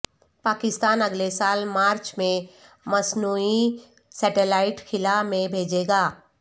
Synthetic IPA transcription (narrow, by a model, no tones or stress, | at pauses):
paːkɪst̪aːnɐɡlesaːlmaːɾt͡ʃmẽ | mɐsnuːi | sɛːʈelaːɪʈkʰɪlamẽbʱeːd͡ʒeːɡaː